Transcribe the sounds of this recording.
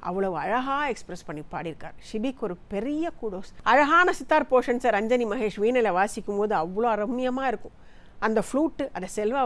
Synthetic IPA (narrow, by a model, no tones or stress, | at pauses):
ʔɐ̰ʋːɐɭɐʋɯɐɻɐɣaːɛkspɾɐspɐɳːipːaːɽɪɾɯkːa̰ːɾʂɪbikːɔɾɯpɛɾɪjɐkuːɽoːsɐɻɐɣaːnɐsɪt̪ːaːɾpoːʂɐnsaɾɐɲd͡ʒɐnimɐɣeːʂʋiːnɐlɐʋaːsɪkʲːɯmpoːðɯɐʋːɐɭoːɐɾɐmːɪjɐmaːɪɾɯkːʊ̃ | ɐnd̪ɐfɭuːʈːɯʔɐðɐsɛlʋɐ